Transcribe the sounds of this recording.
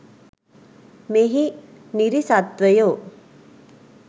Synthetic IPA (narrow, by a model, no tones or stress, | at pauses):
meɦi | niɾisat̪ʋəjoː